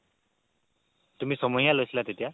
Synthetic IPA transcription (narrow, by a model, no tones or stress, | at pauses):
t̪umisɔmɔjalojsilat̪et̪ija